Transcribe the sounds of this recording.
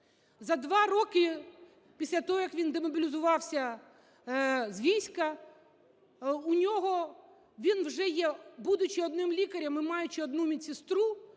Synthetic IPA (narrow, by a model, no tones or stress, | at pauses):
zɐd̪ʋɑɾɔkɪ | pʲisʲlʲɐt̪ɔɦɔjɐkʋʲind̪emɔbʲɪlʲɪzʊʋɑwsʲɐ | zʋʲijsʲkɐ | ʊnʲɔɦɔ | ʋʲinwʒɛjɛbud̪ʊt͡ʃɪɔd̪nɪmlʲikɐɾʲɐmɪmɑjʊt͡ʃɪɔd̪numʲit͡sʲɪst̪ɾu